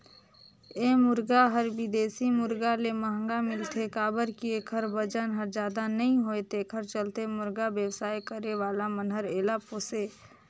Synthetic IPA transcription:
eːmʊɾɡaɦəɾbɪd̪eːsimʊɾɡaleməɦə̃ŋɡamɪlt̪ʰekaːbəɾkieːkʰəɾbəd͡ʒənɦəɾd͡ʒjaːd̪anəɦĩɦoet̪eːkʰəɾt͡ʃəlt̪emʊɾɡabjəwsaːjkəɾeʋaːlamənɦəɾeːlapoːseː

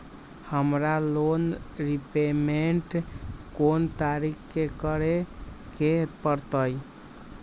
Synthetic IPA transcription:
həmɾalonɾipemeɳʈkont̪aɾikkekəɾeket̪pəɾt̪əj

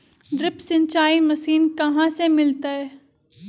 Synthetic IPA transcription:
ɖɾɪpsɪ̃ɲt͡ʃaːimɐsiːnkɐɦãsemɪlt̪aɦɛː

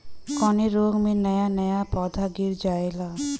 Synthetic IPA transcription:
kɔneɾoɡminɛjanɛjapɔd̪ʱaɡiɾd͡ʒajla

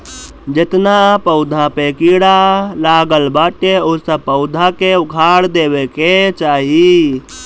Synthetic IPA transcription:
d͡ʒet̪napəʊd̪ʱapekiɽalaɡəlbaʈeosəb̚pəʊd̪ʱakeuɡʱaɽd̪ebeket͡ʃaːɦi

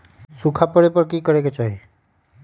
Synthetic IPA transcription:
sukʰapɔɽepʌɾkikʌɾeket͡ʃaɦi

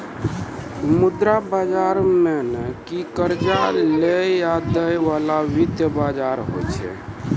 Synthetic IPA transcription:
mud̪ɾabad͡ʒaɾmenekikəɾt͡ʃalejad̪əjʋalaʋit̪jəbad͡ʒaɾɦo̰t͡ʃʰɛ̰

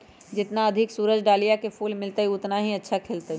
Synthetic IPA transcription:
d͡ʒɪt̪naɐd̪ʱɪksuːɾəd͡ʒɖaːlijakefʰuːlmɪlt̪əiʊt̪naɦiɐtːʃʰakʰeːlt̪əi

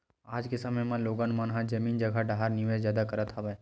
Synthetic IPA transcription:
aːd͡ʒkesɐməjmãloːɡənmanɦãd͡ʒɐmiːnd͡ʒɐɡʱaɖaɦaɾniʋezjaːd̪akɐɾət̪ʰɦabəj

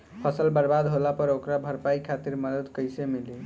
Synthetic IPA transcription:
pʰəsəlbəɾbad̪ɦolapəɾokɾabʱəɾpaikʰat̪iɾməd̪əd̪kəjsemili

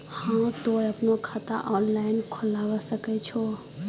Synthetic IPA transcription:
hãt̪oɾəpnokʰat̪a̰ʔɔnlainkʰolaʋəsəkɛt͡ʃʰo

